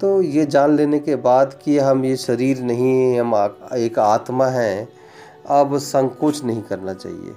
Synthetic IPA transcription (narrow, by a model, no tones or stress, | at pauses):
t̪oːjed͡ʒaːnleːnekebaːd̪kiɦɐmjeʃɐɾiːɾnɐɦĩɐmeːkaːt̪maɦɛ̃ | ɐbsə̃ŋkot͡ʃʰnɐɦĩkɐɾnat͡ʃa̰ːɦḭḛː